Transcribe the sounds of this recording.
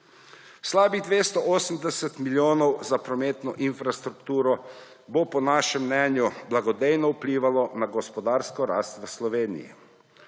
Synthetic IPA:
slaːbid̪ʋeːst̪ɔʔoːsəm̩d̪ɛsɛt̪miljoːnɔwzapɾɔmeːt̪nɔ̰ʔinfɾast̪ɾukt̪uːɾɔ | bopɔnaːʃɛmːnɛːnjublaɡɔd̪ejnɔupliːʋalɔnaɡɔspɔd̪aːɾskɔɾa̰ːst̪ʋəslɔʋeːnḭjḭ

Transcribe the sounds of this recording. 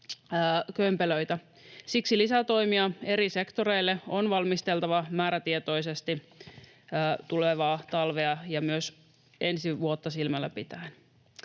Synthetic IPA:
kømpeløjt̪æ | siksilisæt̪o̞jmiɑe̞ɾise̞kt̪o̞ɾeilːeonʋɑlmist̪elt̪ɑʋɑmæːɾæt̪iet̪o̞jsest̪iː | t̪uleʋɑːt̪ɑlʋeɑjɑmyøs | e̞nsiʋuot̪ːɑsilmælːæpit̪æːn

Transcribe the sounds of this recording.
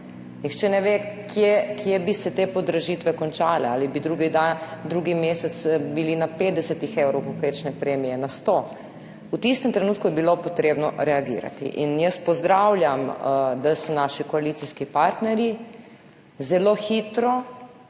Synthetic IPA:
nixt͡ʃɛnɛʋekʰjekʰjebisɛt̪eːpɔd̪ɾaʒiːt̪ʋɛkɔnt͡ʃaːlɛaːlibid̪ɾuɡid̪ad̪ɾuːɡimeːsɛt̪sbilinapeːt̪d̪ɛsɛt̪ixewɾɔwpɔpɾeːt͡ʃnɛpɾeːmijɛnast̪o | ut̪ist̪ɛmt̪ɾɛnuːt̪kujɛbilopɔt̪ɾeːbnɔ̰ɾɛaɡḭːɾa̰t̪ḭʔḭnjəspɔzd̪ɾawlʲjamd̪asɔnaːʃikɔalit̪siskipaɾt̪nɛɾji | zɛloːxiːt̪ɾɔ

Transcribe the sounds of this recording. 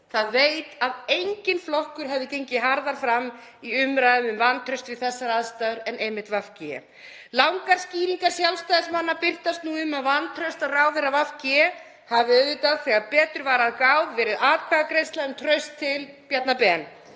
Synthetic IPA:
θaðvejt̪aðejɲcɪnflɔhkʏɾ̥ɦɛvðɪcejɲcɪɦaɾðaɾ̥fɾamː | iʏmɾajðɪmʏmvanːt̪ʰɾœɥst̪vɪðθɛsːaɾaðst̪aɾɛnejmɪht̪vafcɪɛ̰ | lawŋkaɾ̥sciːɾiŋkaɾ̥sjalst̪ajðɪsmanːapɪr̥t̪ast̪nuʏmːaðvanːt̪ʰɾœɥst̪aðraːwθɛrːavafcɪɛ | havɪœðʏt̪aðθɛɣapɛːt̪ʏɾvaːɾaðkawðvɛːɾɪðaːkʰaɣakɾejst̪laʏmt̪ʰɾœɥst̪ʰːɪlpjat̪napɛːn

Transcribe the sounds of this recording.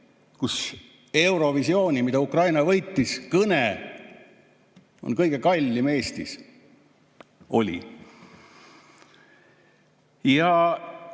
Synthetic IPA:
kus | e̞wɾo̞visio̞ːnʲimid̪̥ɑukrɑjnɑvɤjt̪ˑːiskɤne | o̞̰nkɤjɡ̥e̞kɑlʲːime̞ːst̪is | ʔo̞̰lʲḭ | jɑ

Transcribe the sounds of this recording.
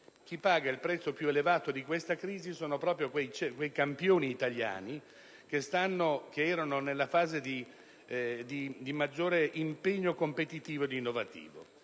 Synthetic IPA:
k̟ipːaːɡailpɾɛt̪sːopjuelevaːt̪od̪ikwest̪akɾiːzisoːnopɾɔːpɾjokwejt͡ʃekwejkampjoːniːt̪alja̰ːni | kest̪anːokeɛːɾanonelːafaːzed̪i | d̪id̪imad͡ʒːoːɾeʔimpeɲːokompet̪it̪iːvod̪inːovat̪ḭːvo̰

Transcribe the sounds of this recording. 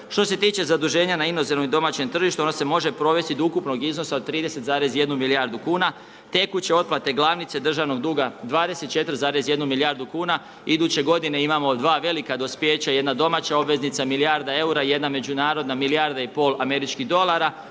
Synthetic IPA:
ʃt̪o̞se̞t̪iːt͡ɕe̞zad̪uʒe̞ːɲanaino̞zenomid̪o̞mat͡ɕe̞mt̪r̩ʒiʃt̪uo̞nose̞mo̞ʒe̞pɾo̞ʋe̞st̪id̪oukupno̞ɡizno̞saod̪̚t̪ɾiːd̪e̞se̞t̪zaːɾe̞sje̞d̪numiliaɾd̪ukuːna | t̪e̞kut͡ɕe̞o̞d̪plˠat̪e̞ɡlˠaʋnit̪se̞d̪r̩ʒaʋno̞ɡ̚d̪uːɡad̪ʋaːd̪e̞se̞t̪̚t͡ʃe̞t̪ɾzaːɾe̞sje̞d̪numilijaɾd̪ukuːna | id̪ut͡ɕe̞ɡo̞d̪ineimamo̞d̪ʋaːʋe̞likad̪o̞spje̞ːt͡ɕajed̪nad̪o̞mat͡ɕao̞bʋe̞znit̪samilijaɾd̪ae̞uɾaje̞d̪name̞d͡ʒunaːɾo̞d̪namiliaɾd̪aipo̞ːlˠame̞ɾit͡ʃkiɦd̪o̞lˠaɾa

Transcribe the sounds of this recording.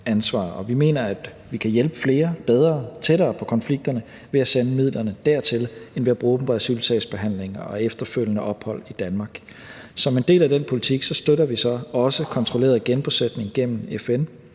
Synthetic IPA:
ænsʋɑ̰̈ːɒ̽ʋime̝̰ːnɐæd̥ | ʋikʰæjelb̥əfle̝ːɐb̥eð̞ˠʁɐːt͡sʰeɾɐːpʰɒ̽kʰɒ̽nfliɡ̥̚d̥ɐnə | ʋeæsenəmið̰ˠlɐnəd̥æɐ̰t͡sʰe̝lenʋeæb̥ʁuːb̥m̩b̥ʁɛsylsʰɛ̰sb̥e̝ɦæn̰le̝ŋɐɒ̽efd̥ɐføl̰jənəʔɒ̽b̥hɒ̽l̰id̥ænmɑ̈ːɡ̥ | sɒ̽me̝nd̥e̝̰ːlæd̥enpʰo̝lit͡sʰiɡ̥sɒ̽sd̥øɾɐʋisɒ̽ɒ̽səkʰɒ̽nt͡sʰʁole̝̰ːɐð̩ˠɡ̥enb̥used̥ne̝ŋɡ̥em̰n̩efen

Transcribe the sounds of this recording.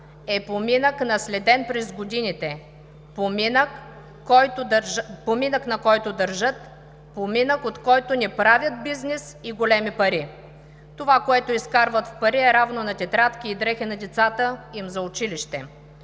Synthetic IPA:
ɛpominəknɐslɛd̪ɛnpɾɛzɡod̪init̪ɛ | pominəkː | ɔjt̪pominəknɐkɔjt̪od̪ɐɾʒɤt̪ | pominəkot̪kɔjt̪onɛpɾavʲjət̪̚biznɛsiɡolɛmipɐɾi | t̪ovakoɛt̪ʊiskaɾvət̪fpɐɾiɛɾavnonɐt̪ʲɛt̪ɾat̪k̟ʲiːd̪ɾɛxɛnɐd̪ɛt̪sat̪əimzɐʊt͡ʃiliʃt̪ɛ

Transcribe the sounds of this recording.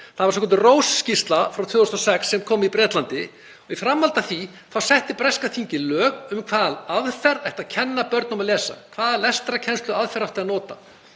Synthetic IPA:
θaðvasɔkʰɔnt̪ʏroːwsːcist̪lafɾawt̪ʰʏːust̪ɔsɛksːɛmkʰɔːmipɾɛːt̪lant̪ɪ | ɔɣifɾamːalt̪aθi | θawsɛht̪ɪpɾɛskaθiɲcɪlœːkʏmkʰvaːðalaðfɛɾajht̪aðcʰɛnːapœɾt̪nɔmalɛːsa̰kʰv̥aːðalɛst̪ɾacʰɛnst̪ʏaðfɛɾaft̪ɪanɔːt̪a̰

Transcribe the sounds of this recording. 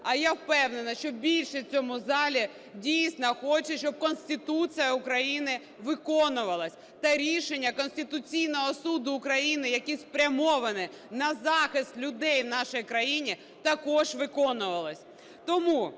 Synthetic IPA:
ɐjawpɛwnenɐʃt͡ʃɔbʲilʲʃɛt͡sʲɔmʊzɑlʲi | dʲijsʲnɐxɔt͡ʃɛʃt͡ʃɔb̚kɔnsʲt̪ɪt̪ut͡sʲijɐʊkɾɐjinɪ | ʋɪkɔnʊʋɐlˠɐsʲ | t̪ɐɾʲiʃenʲːɐkɔnsʲt̪ɪt̪ʊt͡sʲijnɔɦɔsud̪ʊːkɾɐjinɪjɐkʲispɾʲɐmɔʋɐnɪ | nɐzɑxɪst̪lʲʊd̪ɛjwnɑʃɪjkɾɐjinʲi | t̪ɐkɔʒʋɪkɔnʊʋɐlˠɐsʲ | t̪ɔmu

